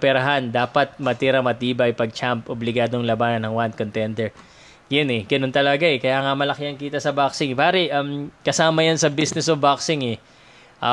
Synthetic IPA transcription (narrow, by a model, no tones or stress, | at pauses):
pɛɾɐɦand̪aːpɐt̪̚mɐt̪iɾɐmɐt̪iːbɐjpɐɡ̚t͡ʃampoblɪɡaːd̪oŋlɐbaːnɐnːɐŋwand̪̚kont̪ɛnd̪ɛɹ | jʊnɛɡ̥ɐno̞nt̪ɐlɐɡaɛkɐjaːŋɐmɐlɐkɪɐŋkiːt̪ɐsɐbaksɪŋpaːɾɛʔɐmkɐsaːmɐjɐnsɐbisnɛsobaksɪŋɛ | ʔ